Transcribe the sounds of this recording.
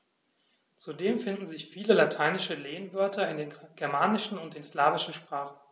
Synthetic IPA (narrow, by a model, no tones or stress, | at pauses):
t͡sudeːmfɪndn̩zɪçfiːləlatʰaɪnɪʃəleːənvœɐtʰɐɪndeːnɡ̥ɛɐmaːnɪʃn̩ʊnt̚d̥eːnslaːvɪʃn̩ʃpʁ̥aːχn̩